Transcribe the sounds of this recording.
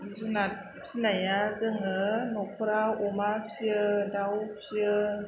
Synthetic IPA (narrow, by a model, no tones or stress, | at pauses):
zunat̚ | pinajazɯŋɯnɔpʰɯɾaɔmaɾpʰiɯdawpʰiə